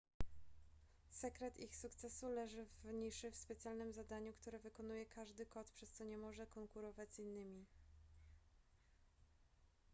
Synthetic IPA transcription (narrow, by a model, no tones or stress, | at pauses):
sɛkɾɛt̪ixsukt̪sɛsulɛʐɘvɲiʂɘfspɛt̪sʲjalnɘmzad̪aɲukt̪uɾɛvɘkɔnujɛkʰaʐd̪ɘkɔt̪pʂɛst̪sɔɲɛmɔʐɛkɔŋkuɾɔvad͡ʑzinːɘmʲi